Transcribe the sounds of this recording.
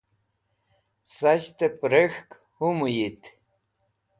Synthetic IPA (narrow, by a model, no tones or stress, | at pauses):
saɕt̪epɾexk | humujit̪